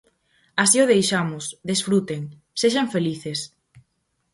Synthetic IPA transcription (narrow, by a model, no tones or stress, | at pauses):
asiʊðejʃamʊsðesfɾut̪eŋ | seʃaɱfeliθes